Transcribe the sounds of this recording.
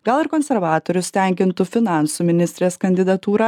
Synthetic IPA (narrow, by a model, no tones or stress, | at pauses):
ɡɐlˠɪɾkɔnʲsʲɛɾʋɑːt̪ɔɾʲʊst̪ʲɛˑŋʲkʲɪnt̪ʊfʲɪnɑˑnsumʲɪnʲɪsʲt̪ʲɾʲeːskɐnʲd̪ʲɪd̪ɐt̪uːɾɑ